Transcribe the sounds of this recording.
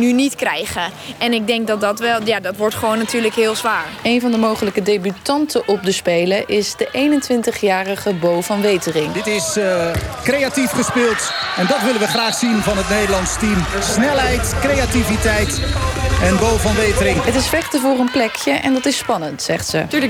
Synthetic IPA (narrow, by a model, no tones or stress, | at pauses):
nynitkrɛjχəɛnɪɡ̚dɛŋk̚dɔtdɔtʋɛlˠjadɔtʋɔɹtχəʋownːatʰyːɹləkɦɪːlˠzʋaːɹejnvɑndəmowχələkədejbytɑntəʔɔp̚dəspejləʔɪsdəʔejnəntʋɪntəχjaːrəχəbowfɑnʋejtərɪŋətɪs | krejatifχəspɪːlˠtɛndɑtʋɪlənʋəχraːχsinvɑnɦətnejdəlɑnstimsnɛlˠɦɛjtkrejativitɛjt | ɛnbowvɑnʋejtəɾɪŋɦətɪsfɛχtəvʊːrənplɛkjəʔɛ̰ndɑtɪspɑnəntsɛ̰χtsə̰ty